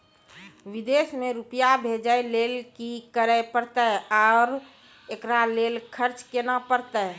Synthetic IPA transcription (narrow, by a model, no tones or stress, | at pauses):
ʋid̪esmẽɾupjabʱed͡ʒəelelkikəɾəpəɾt̪əaʊɾ | ekɾaleːlkʰəɾt͡ʃkenapəɾt̪ə